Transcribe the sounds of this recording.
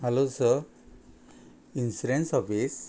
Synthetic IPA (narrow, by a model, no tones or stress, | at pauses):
alosə | insiɾensɔfis